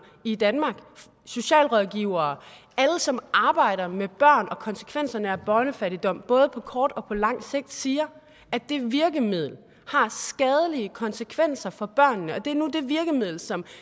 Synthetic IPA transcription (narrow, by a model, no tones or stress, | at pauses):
id̥ænmɑ̈ːɡ̥ | so̝ɕɛ̰ːlʁɒðˠɡ̥iʊɐː | æləsɒ̽mʔɑ̈ːb̥ɑ̈ɪ̰ɾ̥ɐmeb̥ɶɐ̰nɒ̽kʰɒ̽nsə̥kʰʋen̰sɐnəæb̥ɒːnəfæɾ̥id̥ɒ̽m̰b̥ɔ̽ːð̞ˠəpʰɒ̽kʰɒːd̥ɒ̽pʰɒ̽lɑ̈ŋ̰se̝ɡ̥̚d̥siːɐ | ʔæd̥e̝ʋiɐɡ̥əmið̰ˠl̩ | hɑ̈sɡ̥ɛːð̞ˠəliəkʰɒ̽nsəkʰʋen̰sɐfɒ̽b̥ɶɐ̰nːəɒ̽d̥e̝æɐnud̥e̝ʋiɐɡ̥əmiðˠl̩sɒ̽m